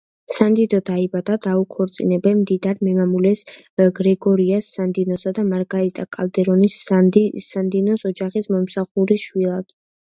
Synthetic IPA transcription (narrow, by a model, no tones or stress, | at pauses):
sand̪id̪ɔd̪aibad̪ad̪aukʰɔɾt̪sʼḭnɛbɛnmd̪id̪aɾmɛmamulɛsɡɾɛɡɔɾiasːand̪inɔsad̪amaɾɡaɾit̪ʼakʼalˠd̪ɛɾɔnis | and̪inɔsɔd͡ʒaχismɔmsaχuɾiʃwilˠad̪̥